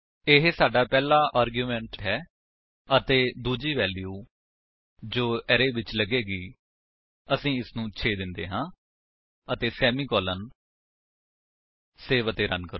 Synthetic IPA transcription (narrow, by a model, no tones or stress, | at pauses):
ɪɦsaːɖaːpɛːlaːʔaːɾɡjuːmɛ̃ːɳʈɦɛː | ət̪eːd̪uːd͡ʒiːʋɛːlijuː | d͡ʒoːɛɾeːʋɪt͡ʃləɡeːɡiː | əsĩːɪsnũːt͡ʃʰeːd̪ɪnd̪ḛːɦãː | ət̪eːsɛːmiːkɔːlən | seːʋət̪eːɾənkəɾ